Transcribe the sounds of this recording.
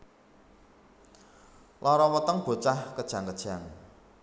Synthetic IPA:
lʔɔɾɔwət̪əŋb̥o̤t͡ʃahkəd̥ʒ̥aŋkəd̥ʒ̥a̤ŋ

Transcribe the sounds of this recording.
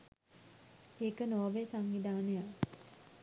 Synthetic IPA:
eːkənoːʋesaŋʋid̪aːneja

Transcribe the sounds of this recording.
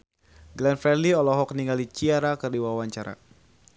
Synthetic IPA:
ɡlɛnfɾɛrliɔlɔɦɔkniŋalit͡ʃiaɾakərdiwawaɲt͡ʃaɾa̰

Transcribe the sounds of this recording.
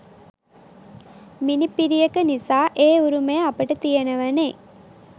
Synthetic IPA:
minipiɾijəkənisaːʔeːuɾuməjəapəʈət̪ijenəʋɐneː

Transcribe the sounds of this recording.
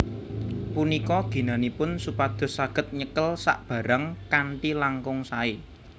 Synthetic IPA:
punikɔɡ̥i̤nanipʊnsupad̪̥ɔ̤saɡ̥ə̤t̪̚ɲəkəlsa̰ʔb̥ä̤ɾaŋkaɳʈilaŋkʊŋsae

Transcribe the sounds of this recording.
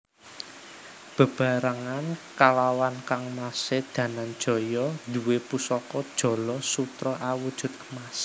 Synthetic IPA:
b̥ə̤b̥a̤ɾaŋankalawankaŋmasɪd̪̥ä̤nand̥ʒ̥ɔ̤jɔd̪uwepusɔkɔd̥ʒ̥ɔ̤lɔsut̪ɾɔʔawud̥ʒ̥ʊ̤t̪̚mas

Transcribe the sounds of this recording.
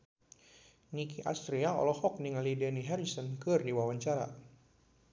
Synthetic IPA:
nikiʔa̰st̪ɾiaɔ̰lɔhɔk̚niŋalidɛniɦɛɾisɔnkɨrdiwawaɲt͡ʃaɾa̰

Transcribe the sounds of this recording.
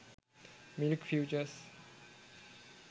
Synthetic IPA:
mɪlkfjut͡ʃəs

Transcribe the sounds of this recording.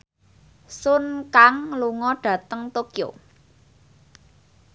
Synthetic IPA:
sʊnkaŋluŋɔɖ̥ä̤t̪əŋt̪okjo̰

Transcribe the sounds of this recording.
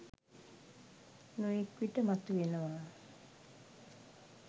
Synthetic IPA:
nuekwiʈəmat̪uʋenəʋaː

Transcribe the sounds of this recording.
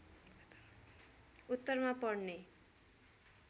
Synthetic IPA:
ut̪ːʌrmapʌɽne

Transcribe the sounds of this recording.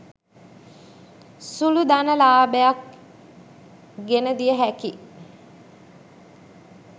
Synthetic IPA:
sulud̪anəlaːbəjak | ɡenəd̪ijəɦæki

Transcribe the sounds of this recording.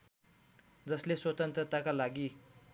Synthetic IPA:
d͡zʌsleswʌt̪ʌnt̪ɾʌt̪akalaɡi

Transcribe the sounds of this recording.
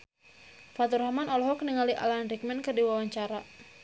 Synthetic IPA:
fat̪ɔrɦamanɔlɔɦɔkəniŋaliʔa̰lanrik̚mɛnkərdiwawaɲt͡ʃaɾa

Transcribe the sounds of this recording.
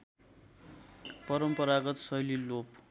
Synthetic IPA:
pʌɾʌmpʌɾaɡʌt̪sʌjlilop̚

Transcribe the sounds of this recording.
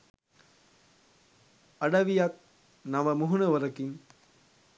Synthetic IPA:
ɐɽɐʋijɐk̚ | nɐʋɐmuɦunɐʋɐɾɐkiŋ

